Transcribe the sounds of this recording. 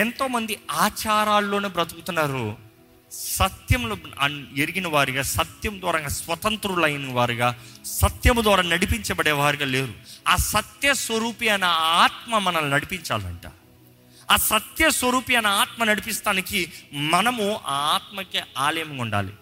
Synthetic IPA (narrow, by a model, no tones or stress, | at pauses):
ent̪o̞ːmɐnd̪iaːt͡ʃaːɾaːlːo̞ːneːbɾɐt̪uɡut̪unːaːɾu | sɐt̪jɐmlɐ̰neɾiɡinɐʋaːɾiɡaːsɐt̪jɐmd̪waːɾɐŋɡasʋɐt̪ɐnt̪ɾulɐjnɐʋaːɾiɡaːsɐt̪jɐmd̪waːɾaːnɐɽipiɲt͡ʃɐbɐɽɛːʋaːɾiɡaːleːɾuaːsɐt̪jɐsʋɐɾuːpijɐnɐaːt̪mɐmɐnɐmunɐɽipiɲt͡ʃa̰ːlɐ̰ɳʈa̰ː | aːsɐt̪jɐsʋɐɾuːpijɐnɐaːt̪mɐnɐɽipist̪aːnikimɐnɐmua̰ːaːt̪̚mɐkeːaːlɐjɐmiuɳɖa̰ːlḭ